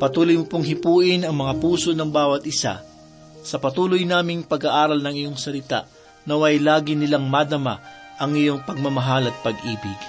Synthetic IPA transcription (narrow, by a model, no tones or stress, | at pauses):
pɐt̪uːlojmʊpoŋɦɪpuːʔɪnɐŋmɐŋapuːso̞nɐŋbaːwɐt̪̚ʔɪsa̰ | sɐpɐt̪uːlojnaːmɪŋpɐɡaʔaːɾɐlnɐŋɪjo̞ŋsɐlɪt̪a̰ʔ | nɐwɐjlaːɡɪnɪlaŋmad̪ɐma̰ | ʔɐŋɪjo̞ŋpɐɡ̚mɐmɐɦalɐt̪̚pɐɡʔiːbɪɡ